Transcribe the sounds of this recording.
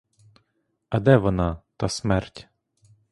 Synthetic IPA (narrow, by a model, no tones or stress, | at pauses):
ɐd̪ɛʋɔnɑt̪ɑsmɛrtʲ